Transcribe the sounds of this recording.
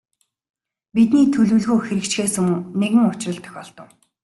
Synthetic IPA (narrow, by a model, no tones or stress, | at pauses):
pit̪niːt̪ʰɵɮuːɮɣoːxeɾɘ̆kt͡ɕɡeːsɘ̆ŋneɣɘ̆ŋʊt͡ɕ̆rə̆ɮt̪ʰœ̥xʲɔːɮt̪ə̆w